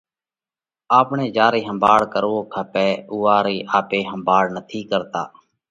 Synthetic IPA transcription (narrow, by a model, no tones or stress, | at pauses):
aːpɳeːd͡ʒaːɾiːɦəmbʱaːɽkəɾoːkʰapeːʊːaːɾiːʔaːpeːɦəmbʱaːɽnət̪ʰiːkəɾt̪a̰ː